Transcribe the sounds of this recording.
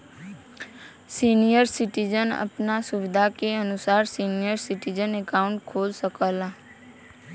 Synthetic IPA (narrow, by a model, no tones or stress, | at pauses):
sinijəɾsɪʈid͡ʒənə̰pnasʊʋɪd̪ʱakeənʊsaːɾsinijəɾsɪʈid͡ʒənɛkaʊ̃ɳʈkʰoːlsəkəla